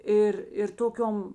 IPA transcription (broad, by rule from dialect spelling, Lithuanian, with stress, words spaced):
ˈɪr ɪr ˈtoːˌkʲoːm